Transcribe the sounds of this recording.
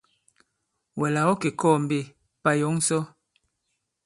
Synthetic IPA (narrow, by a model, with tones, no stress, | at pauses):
wɛ˨la˨wɔ˦ke˨kɔː˦˨m˨be˦˨ | pa˦jo˨˦ŋ˦sɔ˦